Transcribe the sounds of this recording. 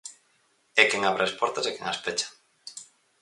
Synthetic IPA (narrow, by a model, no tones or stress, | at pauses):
ekeŋaβɾʔaaspɔɾt̪asekeŋaspet͡ʃḁ